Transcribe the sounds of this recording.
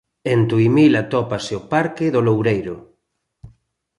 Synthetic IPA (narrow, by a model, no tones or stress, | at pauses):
ent̪uimilat̪ɔpaseopaɾkɪðolowɾejɾʊ